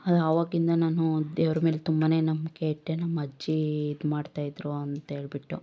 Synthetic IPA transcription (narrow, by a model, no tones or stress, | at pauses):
ɐd̪ɐʋaːɡind̪ɐnaːnud̪eːʋɾɐmeːlt̪umbaːne̞ːnɐmːɐkeʈːenɐmːɐd͡ʒːiid̪maːɖt̪aːjid̪ɾuɐnt̪ɐɦe̞ːɭbiʈːu